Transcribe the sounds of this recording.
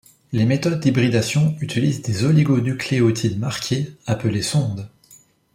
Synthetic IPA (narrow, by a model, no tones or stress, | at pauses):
lemet̪ɔd̪̚ːibʁid̪asjɔ̃yt̪ilizd̪ezɔliɡonykleot̪ʰid̪maʁkʲʰeapəlesɔ̃d̪